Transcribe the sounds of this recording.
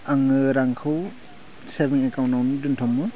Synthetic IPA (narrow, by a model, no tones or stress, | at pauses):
aŋɯɾaŋkʰɯw | sebiŋekawnnawnɯduntʰɔmːɯ